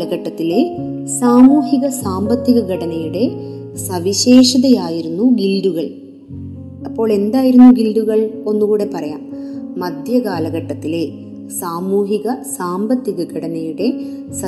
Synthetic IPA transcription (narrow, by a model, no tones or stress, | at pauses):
lɐɣɐʈːɐt̪ːile̞ | saːmuːɦiɣɐsaːmbɐt̪ːiɣɐɡɐɽɐnɐjuɽe̞ | sɐʋiɕe̞ːʂɐðɐjaːjiɾunːuɡilɖuɣɐɭ | ɐpːo̞ːɭe̞nd̪aːjiɾunːuɡilɖuɣɐɭo̞nːukuːɽe̞pɐrɐjaːmːɐd̪ʱjɐkaːlɐɣɐʈːɐt̪ːile̞ | saːmuːɦiɣɐsaːmbɐt̪ːiɣɐɡɐɽɐnɐjuɽe̞ | sɐ